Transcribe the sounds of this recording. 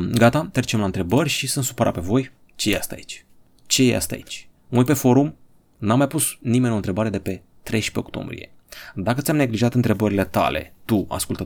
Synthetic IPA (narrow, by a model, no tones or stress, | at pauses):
ɡat̪at̪ɾet͡ʃemlant̪ɾe̞bərʲʃisɨnsu̥pəɾa̰pe̞vo̞j | t͡ʃejea̰st̪a̰it͡ʃʲ | t͡ʃe̞jeja̰st̪a̰it͡ʃʲ | ujpe̞fo̞ɾum | namːajpusnime̞nʲont̪ɾe̞baɾe̞d̪e̞pe̞ | t̪ɾe̞jʃpe̞ok̚t̪o̞̰mbɾije̞̰ | d̪akət̪ʲamne̞ɡliʒat̪ɨnt̪ɾe̞bəɾile̞t̪a̰le̞̰t̪ua̰skult̪ə